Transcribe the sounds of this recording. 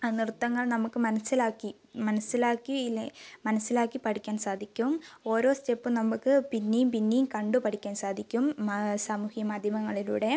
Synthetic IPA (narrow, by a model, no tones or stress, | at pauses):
nirut̪ːɐŋːɐɭnɐmukːɨmɐnɐsːilaːkːi | mɐnɐsːilaːkːimɐnɐsːilaːkːipɐʈikʲːaːnsaːd̪ʱikʲːumo̞ːɾo̞ːstepːɨnɐmːukːɨpinːejumpinːejumkɐɳɖɨpɐʈʰikʲːaːnsaːd̪ʱikʲːumsaːmuhjɐmaːd̪ʱjɐmɐŋːɐɭilṵːɽe̞